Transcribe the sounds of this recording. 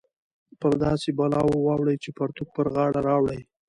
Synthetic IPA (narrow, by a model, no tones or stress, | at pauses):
pəɾd̪ɑsebɑlɑwowɑwɽəjt͡ʃepaɾt̪uk̚pəɾɣɑɽaɾɑwɽəj